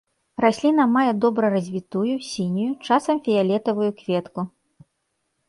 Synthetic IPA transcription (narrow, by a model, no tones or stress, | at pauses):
rasʲlʲin̪ɐmajɛd̪ɔbɾɐrɐzʲvʲit̪ujusʲinʲujut͡ʂasɐmfʲijalʲɛt̪ɐvujukvʲɛt̪ku